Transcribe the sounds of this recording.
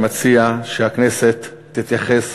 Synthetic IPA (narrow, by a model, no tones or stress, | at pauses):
mat͡siaʃehaknese̞t̪ː | it̪jaχes